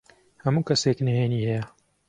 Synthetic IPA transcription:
hɐmuːkɐseːknɐheːnihɛjɐ

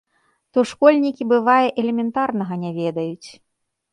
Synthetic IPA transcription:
t̪ɔʂkɔlʲnʲikʲibɨvajɛʔɛlʲɛmʲɛnt̪arnɐɣɐnʲavʲɛd̪ɐjut͡sʲ

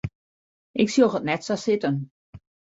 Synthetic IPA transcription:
ʔɪksioxətnɛtsasɪtən

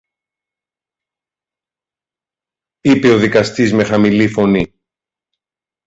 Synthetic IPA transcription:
ipe̞o̞ðikɐst̪izme̞xɐmilifo̞ni

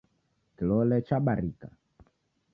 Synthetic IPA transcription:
kilɔlɛt͡ʃaɓaɾika̰

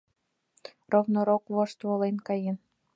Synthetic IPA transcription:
rovnŏɾokβoʃt̪βolenkɑjen

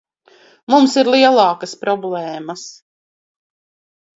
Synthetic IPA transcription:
mumsiɾlˠiɛlˠɑːkəspɾɔblˠɛːmɐs

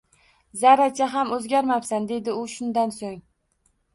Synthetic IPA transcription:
zaɾat͡ʃʰaɦamɵzɡʲaɾmapsand̪e̞d̪ɪʊʃʊnd̪ansoŋ

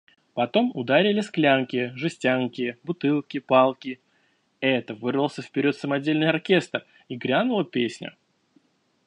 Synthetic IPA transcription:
pɐt̪o̞mʊd̪aɾʲɪlʲɪsklʲaŋkʲɪjəʐɨsʲtʲaŋkʲɪjəbʊt̪ɨlˠkʲɪpalˠkʲɪ | ɛt̪əvɨrəlˠsʲəfpʲɪɾʲo̞t̪səmɐdʲelʲnɨjɐrkʲe̞st̪r | iɡɾʲanʊlˠəpʲesʲnʲə̰

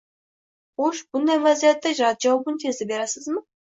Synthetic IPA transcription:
oʃb̥ʊnd̪ɑjvæzijat̪ːɑʒɾɑt̪̚ʒɑwɑbənt̪ʰezd̪ɪbeɾɑsəzmə

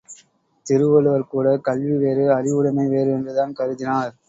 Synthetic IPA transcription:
t̪ɪɾɯʋɐlɯʋɐɾkuːɽɐkɐlʋiʋeːɾɯɐɾɪʋɯɽɐmɐɪʋeːɾɯɛndrɯðaːnkɐɾɯðɪnaːɾ

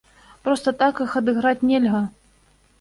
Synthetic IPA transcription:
pɾɔst̪ɐt̪akɨxɐd̪ɨɣɾat͡sʲnʲɛlʲɣɐ

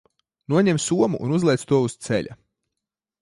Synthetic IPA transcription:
nuɔɲɛmsuɔmṵʔːnuzlʲˠɛjt̪st̪uɔust̪sɛ̰ʎʲa̰

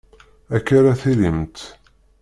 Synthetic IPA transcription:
ækːaɾaθilimt̪

